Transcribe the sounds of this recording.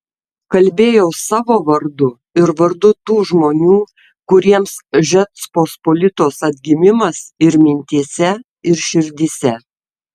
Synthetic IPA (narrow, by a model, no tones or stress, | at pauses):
kɐlʲbʲeːjɛʊsɑːʋoːʋɐɾd̪ʊ | ɪɾʋɐɾd̪ʊt̪uːʒmoːnʲuː | kʊɾʲiɛmsʒʲɛt̪spoːspoːlʲɪt̪oːsɐd̪ʲɡʲɪmʲɪmɐsɪɾmʲɪnʲt̪ʲiɛsʲɛ | ɪɾʃʲɪɾʲd̪ʲiːsʲɛ